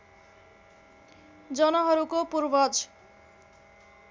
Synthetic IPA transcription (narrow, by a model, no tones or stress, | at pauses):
d͡zʌnʌɦʌɾukopurbʌd͡z